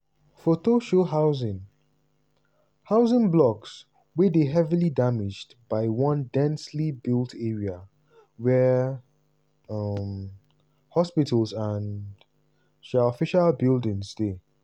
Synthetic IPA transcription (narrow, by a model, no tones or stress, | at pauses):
fotoʃoɦaʊzɪ̃n | haʊzɪ̃nblɔks | wedeɦɛvilidamɪd͡ʒd | baɪwʌ̃ndɛ̃nslibɪlˠtʰɛɹia | wɛ | ʌm | hɔspɪtʰəlˠzãn | ʃaɔfɪʃalbɪlˠdɪ̃ŋsde